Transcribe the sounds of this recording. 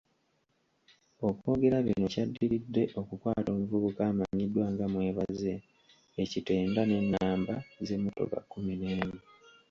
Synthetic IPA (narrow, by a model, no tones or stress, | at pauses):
o̞ko̞ːɡe̞ɾaβḭno̞cadːiɾidːe̞ʔo̞kukwaːto̞ːmuvuβukaːmaɲidːwaŋɡamwe̞ːβaze̞ | ecite̞ːndane̞nːaːmbaze̞mːoto̞̰ka̰kːumineːmi